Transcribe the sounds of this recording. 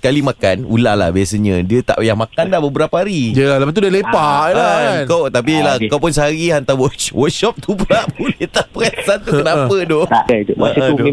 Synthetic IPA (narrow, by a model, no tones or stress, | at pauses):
səkalimãkanula̰ʔla̰hbiasəɲə̃diət̪a̰ʔjahmakandabəbəɾapaaɾiəlalapant̪udalepaʔankawt̪apilakawpʊnsəɦaɾiant̪awəwəkʃɔp̚t̪uplaʔbolɛt̪aʔpəkasant̪ukənapədɔt̪a̰kt̪umatu